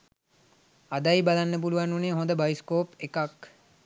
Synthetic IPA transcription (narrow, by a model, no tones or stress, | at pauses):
ad̪ajbalanːəp̬uluʋanːuneːɦõnd̪əbaiskoːpekak